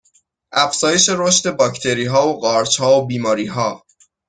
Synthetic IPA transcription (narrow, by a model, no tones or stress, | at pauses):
ʔæfz̥ɒːje̞ʃe̞ɾoʃt̪e̞bɒːcʰt̪ʰe̞ɾiːɦɒːoɢɒːɾt͡ʃhɒːobiːmɒːɾiːɦɒː